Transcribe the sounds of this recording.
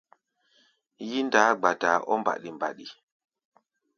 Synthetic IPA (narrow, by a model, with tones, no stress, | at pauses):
ji˦ndaː˨˦ɡ͡ba˨da˨ʔɔ˦mba̰˨ɗi˨mba̰˨ɗi˨